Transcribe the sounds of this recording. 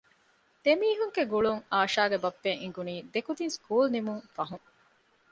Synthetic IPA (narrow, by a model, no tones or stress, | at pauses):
d̪̥emiːɦuŋɡeɡuɭuŋaːʃaːɡebɐpːeŋiŋɡuniːd̪ekud̪inskuːlnimuŋfɐɦuŋ